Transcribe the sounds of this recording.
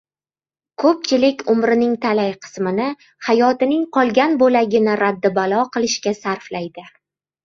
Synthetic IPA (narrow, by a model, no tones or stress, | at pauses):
kʰɵp̚t͡ʃʰɪlɪkʲʊmɾɪnɪŋt̪ʰalajqʰɨ̥smɪnɪ | hajɒt̪ɪnɪŋqʰɒlˠɡʲanbolaɡʲɪnɪɾad̪ːɪbalˠɒqʰɨlˠɪʃkʲasaɾflajd̪ɪ